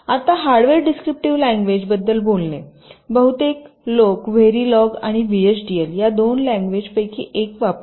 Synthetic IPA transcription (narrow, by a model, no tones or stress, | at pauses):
at̪aɦaɾɖʋeɾɖiskɾip̚ʈiʋlæ̃ŋɡʋed͡ʑbəd̪ːəlbolne | bəɦut̪ek | lokʋeɾilɔɡaɽ̃iʋiet͡ɕɖieljad̪onlæ̃ŋɡʋed͡ʑpəjkʰḭːʔekʋap